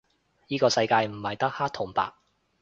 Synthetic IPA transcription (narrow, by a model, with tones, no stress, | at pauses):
niː˥kɔː˧sɐ˧jkaː˧jm̩˨˩hɐ˨jt̪ɐ˥k̚haː˥t̪ʰo˨˩ŋpa̰ː˨k̚